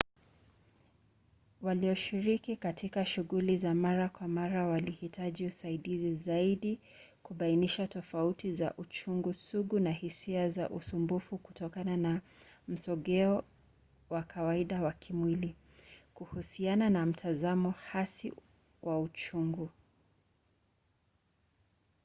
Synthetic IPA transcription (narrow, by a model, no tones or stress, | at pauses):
waliɔʃiɾikikatikaʃuɣulizamaɾakwamaɾawalihitaʄiusaiɗizizaiɗi | kuɓainiʃatɔfautiza̰ʔut͡ʃuŋɡusuɡunahisiaza̰ʔṵsumbufuku̥tɔkanana | m̩sɔɠɛɔ | wakʰawaiɗawakʰimwili | kuhusiananam̩tʰazamɔhasi | wʔaut͡ʃuŋɡu